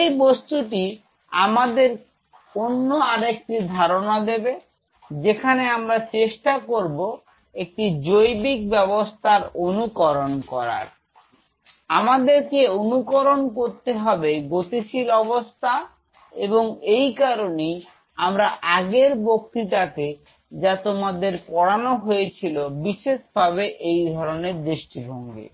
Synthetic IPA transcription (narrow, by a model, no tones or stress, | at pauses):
ejbost̪uʈi | amad̪eɾ | onːoaɾek̚ʈid̪ʱaɾonad̪ebe | d͡ʑekʰaneamɾat͡ɕeʃʈakoɾbo | ek̚ʈid͡ʑojbik̚bɛbost̪ʰaɾonukɔɾonkɔɾa̰ɾ | amad̪eɾkeonukoɾonkoɾt̪eɦɔbeɡot̪iʃilɔbost̪ʰa | eboŋejkaɾonej | amɾaʔaɡeɾbok̚t̪iʈake | d͡ʑat̪omad̪eɾpɔɽanoɦojet͡ɕʰilobiʃeʃbʱaβeʔejd̪ʱɔɾoneɾd̪ɾeʃʈibʱɔŋɡḛ